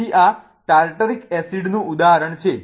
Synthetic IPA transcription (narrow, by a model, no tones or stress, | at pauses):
iʔa | ʈalʈəɾikɛsiɖnũud̪aɦəɾəɳt͡ʃʰe